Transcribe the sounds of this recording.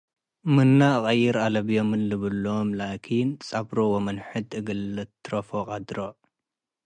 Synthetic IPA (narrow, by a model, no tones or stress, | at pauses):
mɨnːaɨχʼɐjːɪɾalɐβijomɨnlɨβɨlːomlaʔkʰint͡sʼabɾowomɐnħɨd̪ɨɡɨlːɨt̪ːɾɐfokʼad̪ɾo